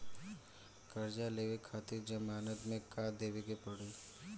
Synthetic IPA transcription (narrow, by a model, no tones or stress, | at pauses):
kəɾd͡ʒaleːʋekʰaːt̪iɾd͡ʒəmaːnət̪mẽkad̪eːʋeɡepəɽe